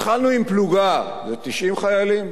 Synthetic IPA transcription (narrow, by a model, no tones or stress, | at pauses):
χalnuimpluɡa | zet̪iʃimχajalim